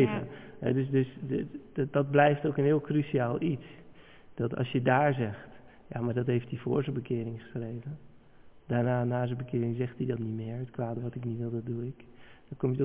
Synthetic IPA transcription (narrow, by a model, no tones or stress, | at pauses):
və̰ɦɛ̰døsdøs | d̥ɑt̚blɛjftowkənɦɪːlˠkrysiaːlˠits | d̥ɔtɑ̰lsjədaːɹzɛxt | jamaɹdɔtɦejftifo̰ːɹzəbəkɪːɾɪŋχəsrejvə | d̥aːɹnaːnaːzəbəkɪːɾɪŋzɛxtidɔtnitmɪːɹətkʋaːdəʋɔtɪknitʋɪlˠdɔt̚duɪkd̥ɔkomjəto